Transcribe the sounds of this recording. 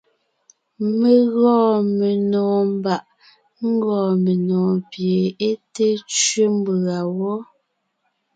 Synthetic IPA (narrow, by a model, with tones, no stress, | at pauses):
me˨ɣɔː˦˨me˨nɔː˨m˦ba˨ʔ | ŋ̩˦ɡɔː˨me˨nɔː˨pje˨e˦te˦t͡ʃɥe˦m˦ba˨wɔ˦